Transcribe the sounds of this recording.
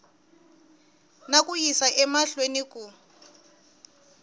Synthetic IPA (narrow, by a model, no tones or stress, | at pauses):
nak̬ʼujisaʔɛmaɬwenik̬ʼu